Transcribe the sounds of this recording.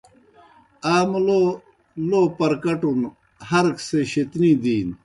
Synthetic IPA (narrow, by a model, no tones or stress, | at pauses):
aːmlo | loːpɐɾkɐʈun | hɐɾkseɕit̪nid̪iːn